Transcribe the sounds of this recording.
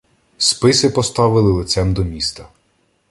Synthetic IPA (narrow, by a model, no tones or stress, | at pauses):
spɪsɪpɔst̪ɑʋɪlˠɪlˠɪt̪sɛmd̪ɔmʲist̪ɐ